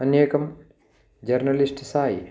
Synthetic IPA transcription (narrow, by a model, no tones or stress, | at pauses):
ɐnjeːkɐm | d͡ʒɐɾnɐlisʈsaːḭ